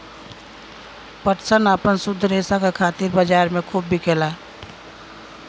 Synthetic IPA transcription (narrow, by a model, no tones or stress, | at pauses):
pəʈsənaːpənsʊd̪ʱːəɾeːsakakʰaːt̪iɾbəd͡ʒaːɾmẽkʰuːbːikʰeːlaː